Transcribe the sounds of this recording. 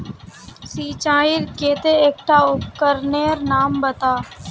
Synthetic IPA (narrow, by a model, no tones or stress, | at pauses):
siːt͡ʃaːɪɾkeːt̪eeːk̚ʈaːʊp̚kəɾneːɾnaːmbət̪aː